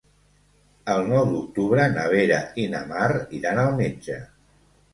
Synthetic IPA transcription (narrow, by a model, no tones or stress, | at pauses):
əlˠnɔwd̪uk̚t̪uβɾənəβ̞eɾəinə̰mariɾanəlˠmed͡ʒə